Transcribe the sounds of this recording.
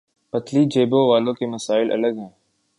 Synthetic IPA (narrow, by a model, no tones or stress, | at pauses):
pət̪ʰliːd͡ʒeːbõʋaːlõkeməsaːɪlʔɐ̰ləɡɦɛ̃ː